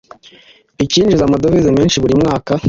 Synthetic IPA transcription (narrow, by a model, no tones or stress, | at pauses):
iciːnd͡ʒizamadovizemiːnʃiβuɾimŋaːka